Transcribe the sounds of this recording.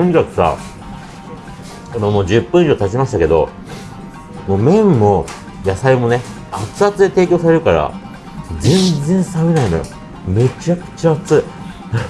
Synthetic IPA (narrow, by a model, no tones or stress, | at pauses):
oɲ̟ikakɯ̟̥sa̰ | konomo̞ːd͡ʑɨpːɯ̟̃ɰ̃iʑot̪at͡ɕimaɕi̥t̪ake̞d̪o̞̰ | mo̞ːmẽ̞mːo̞ | jasaimo̞ne | at͡sɨat͡sɨd̪et̪e̞ːkʲo̞ːsaɾe̞ɾɯ̟kaɾa̰ | d͡zẽ̞nd͡zẽ̞ɰ̃samenaĩno̞̰jo̰ | me̞t͡ɕakɯ̟̥t͡ɕaːt͡sɨ